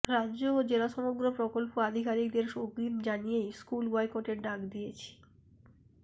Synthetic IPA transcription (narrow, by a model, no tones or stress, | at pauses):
ɾad͡ʑod͡ʑelaʃɔmoɡɾopɾokolpoad̪ʱikaɾik̚d̪eɾʃoɡɾimd͡ʑanijejskulbɔjkoʈeɾɖaɡd̪ijet͡ɕʰi̥